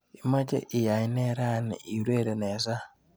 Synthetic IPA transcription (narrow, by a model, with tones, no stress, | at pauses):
i˦ma˦d͡ʒḛ˦ʔi˨ja˨i˦ne˦ɾa˦˨nɪ̰˨ʔi˨ɾe˦˨ɾe˨ne˨za˦